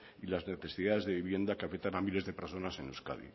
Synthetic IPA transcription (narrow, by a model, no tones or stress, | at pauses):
ilazneθe̞siðaðe̞zðe̞βiβje̞nd̪akeafek̚t̪anamile̞zðe̞peɾso̞nase̞nuska̰ðḭ